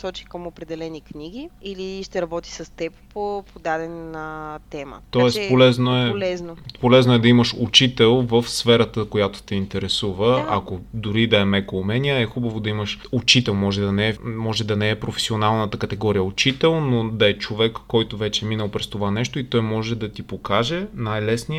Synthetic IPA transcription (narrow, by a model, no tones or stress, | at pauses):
sɔt͡ʃi̥kəmopɾɛd̪ɛlɛnikniɡʲiiliʃt̪ɛɾɐbɔt̪i̥səst̪ɛppopod̪ad̪ɛnnət̪ɛmə̰ɔɛspolɛznoɛlɛznopolɛznoɛd̪ɐiməʃut͡ʃit̪ɛlˠvəfsfɛɾət̪əkojat̪o̥t̪ɛint̪ɛɾɛsuvəɐ̰kod̪ʊɾid̪ɐɛmɛkoːmɛniəɛxubəvod̪ɐiməʃut͡ʃit̪ɛlˠmɔʒɛd̪ɐnɛɛmɔʒɛd̪ɐnɛɛpɾofɛ̥sionalˠnət̪əkət̪ɛɡɔɾijəʊt͡ʃit̪ɛlˠnod̪ɐɛt͡ʃovɛkːɔjt̪ʊvɛt͡ʃɛminəlˠpɾɛst̪ovanɛʃt̪oit̪ɔjmɔʒɛd̪ɐt̪ipokaʒɛnajlɛsniə